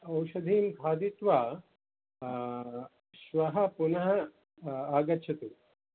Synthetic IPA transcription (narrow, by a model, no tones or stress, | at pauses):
ɐwʃɐd̪ʱiːmkʰaːd̪it̪ʋaː | ʃʋɐɦɐ̆punɐɦɐ̆ | aːɡɐtːʃʰɐt̪u